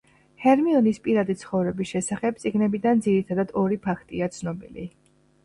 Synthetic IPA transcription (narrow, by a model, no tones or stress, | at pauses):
hɛɾmiɔnispʼiɾad̪it̪sʰχɔvɾɛbisʃɛsaχɛb̚t̪sʼiɡnɛbid̪and̪ziɾit̪ʰad̪ad̪ɔɾipʰakʰt̪ʼiat̪sʰnɔbḭlḭ